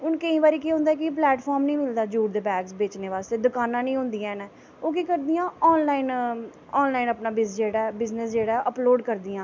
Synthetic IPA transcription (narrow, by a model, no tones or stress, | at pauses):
ʊnkəĩːbaːɾiːkiːɦʊ̃ːnd̪aːkɪp̬lɛːʈpʰɔːɾmnĩːmɪld̪aːd͡ʒuːʈd̪eːbɛːɡsbeːt͡ʃneːʋaːst̪eːd̪ʊkaːnãːnĩːɦʊ̃nd̪iːãːnɛ̃ː | oːkikəɾd̪ijãːɔːnlaːin | ɔːnlaːinəpnaːbɪsd͡ʒeːɽaːɛbɪznəsd͡ʒeːɽaːɛʔəploːɖkəɾd̪iːãː